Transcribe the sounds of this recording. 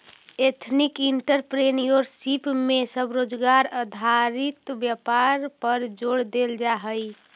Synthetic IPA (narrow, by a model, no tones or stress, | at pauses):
et̪ʰnikiɳʈəɾpɾenioɾsipmesəbɾod͡ʒɡaɾəd̪ʱaɾit̪bjəpaɾpəɾd͡ʒoɽd̪eld͡ʒaɦəj